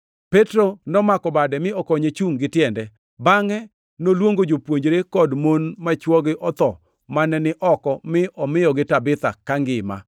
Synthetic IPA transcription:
pɛtɾonɔmakɔbadɛmɪɔkɔɲet͡ʃuŋɡɪtjɛndɛ | baŋɛ | nolwoŋɡod͡ʒopwoɲd͡ʒɾekɔdmonmat͡ʃwɔɡɪʔɔt̪ɔ | manɛnɪʔɔkɔmɪʔɔmɪjɔɡɪtabɪt̪a̰kaŋɡɪma̰

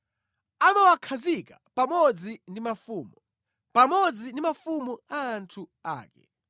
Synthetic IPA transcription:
anɔwakʰazikapamɔd͡zindimafuːmu | pamɔd͡zinimafumuaːntʰua̰ːkɛ̰

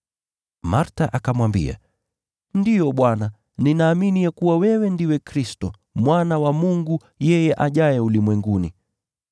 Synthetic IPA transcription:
maɾtaʔakamwambḭa̰ | ndijɔɓwana | ninaːminijakuwawɛwɛndiwɛkɾistɔ | mwanawamuŋɡu | jɛjɛʔaʄajɛulimwɛŋɡuni

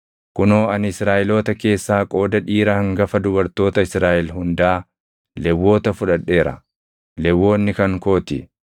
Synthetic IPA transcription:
kʊno̞ːɐnɪsɾaːʔɪlo̞ːt̪ɐke̞ːsːaːkʼo̞ːd̪ɐᶑiːɾɐhɐŋɡɐfɐd̪ʊbɐɾt̪o̞ːt̪ɐɪsɾaːʔɛlɦʊnd̪aː | lɛwːo̞ːt̪ɐfʊᶑɐᶑːe̞ːɾɐ̰ | lɛwːo̞ːnːɪkɐŋko̞ːt̪ɪ

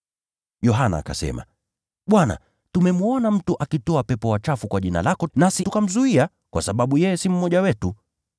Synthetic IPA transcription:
jɔɦana̰ːka̰sɛ̰ma̰ | ɓwana̰ | tumɛmuɔnam̩tuʔakitɔapɛpɔwat͡ʃafukwaʄina̰lakɔnasitukam̩zuia | kwasaɓaɓujɛjɛsim̩mɔʄawɛtu

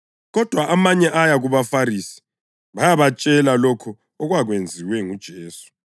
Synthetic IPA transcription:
ɣɔd̥ʱwaʔamaɲɛʔajaɣuβafaɾisi̥ | βajaβat͡ʃʼɛlalɔkʰɔ | ɔɣwaɣwend͡zʱiwɛŋud̥ʒ̥ʱeːsu̥

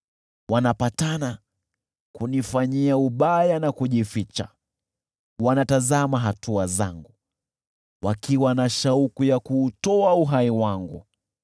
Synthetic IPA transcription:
wanapatana | kunifaɲiauɓajanakuʄifit͡ʃa̰ | wanatazamaɦatʰuaza̰ŋɡu | wakiwanaʃaukujakuːtɔauɦaiwaŋɡṵ

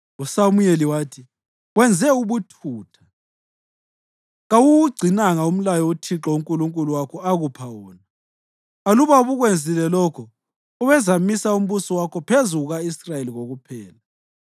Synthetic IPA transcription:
usamujeliwaːtʰi | ɣwɛnd͡zʱɛuβutʰuːtʰḁ | ɣawuɣuɡ͡ǀʱinaŋaum̩lajɔutʰiǁɔuŋkʼuluŋkʼuluwakʰɔaɣupʰawɔːna | ɣaluβauβuɣwend͡zʱilɛlɔkʰɔ | uβɛzamisaum̩βusɔwakʰɔpʰezuɣuɣaisrajeliɣoɣupʰɛːla

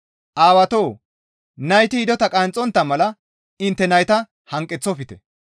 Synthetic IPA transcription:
ʔaːwɐt̪oː | nɐjt̪ɪɪd̪ɔt̪ɐkʼant͡sʼːɔnt̪ːɐmɐlɐ | ɪnt̪ːɛnɐjt̪ɐ | hɐŋkʼːɛt͡sːɔfɪt̪ɛ̰

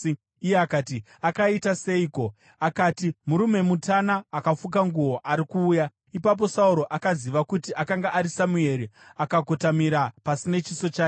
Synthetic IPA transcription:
ijeakaːti | akaitase̞iko̞ | akaːtimuɾume̞mutanaːkafuk̬aŋɡuo̞ʔaɾikuːja | ipap̬o̞sauɾo̞ʔakaziʋakutiʔakaŋɡaʔaɾisamue̞ɾiakaɡʱotamiɾapasine̞t͡ʃiso̞t͡ʃaːo

